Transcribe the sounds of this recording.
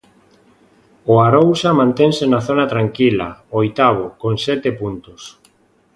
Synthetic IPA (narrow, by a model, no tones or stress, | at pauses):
oaɾowsamãnt̪ɛŋsenaθonat̪ɾaŋkila̰ojt̪aβ̞okoŋsɛt̪epunt̪ʊs